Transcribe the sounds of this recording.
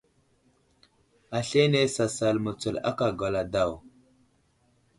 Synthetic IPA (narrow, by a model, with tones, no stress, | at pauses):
a˨ɬe˦ne˦sa˨sa˨lmə˨t͡sə˨la̰˦ka˨ɡa˨la˨da˦˨w